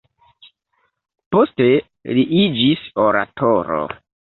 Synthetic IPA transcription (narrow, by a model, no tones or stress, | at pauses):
poste | liʔid͡ʒisoɾa̰tʰoɾo̰